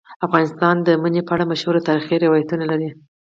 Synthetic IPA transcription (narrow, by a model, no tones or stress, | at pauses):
afɣɑnɪst̪ɑnd̪əmənepəaɽamaʃhuɾot̪aɾxiɾɪwɑjat̪unalaɾi